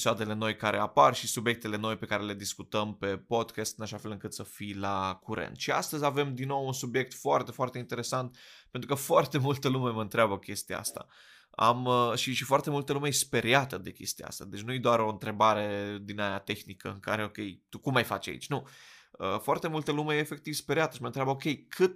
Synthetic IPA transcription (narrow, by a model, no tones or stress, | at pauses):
eisoad̪e̞le̞no̞jkaɾʔe̞aparʃisubje̞k̚t̪e̞le̞no̞jpe̞kaɾe̞le̞d̪iskut̪əmpe̞po̞d̪kʲast̪ɨnaʃafe̞lɨŋkɨt̪səfilakuɾʔḛnt̪ʃia̰st̪əzʲave̞md̪inːo̞wunsubje̞k̚t̪foart̪e̞foart̪eint̪e̞ɾe̞sant̪̚ppe̞nt̪ɾukəfoart̪e̞mult̪əlume̞məɨnt̪ɾeabəkʲe̞st̪ia̰a̰st̪a̰ | a̰məʃiʃifoart̪e̞mult̪əlumejspe̞ɾjat̪əd̪e̞kʲe̞̰st̪ijaa̰st̪ad̪e̞t͡ʃʲnujed̪oaɾo̞ɨnt̪ɾe̞baɾe̞d̪inajat̪e̞xnikə̰ɨŋka̰ɾe̞o̞kʲe̞jt̪ukumːajfa̰t͡ʃʲa̰ḭt͡ʃʲnuəfoart̪e̞mult̪əlumeːfe̞k̚t̪ivspeɾiat̪ə̥ʃiməɨnt̪ɾʲeabəokʲe̞jkʰɨt̪